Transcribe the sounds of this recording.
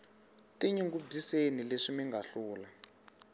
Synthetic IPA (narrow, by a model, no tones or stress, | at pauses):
tiɲiŋɡub͡ʐisenileʂimiŋɡaɬuːla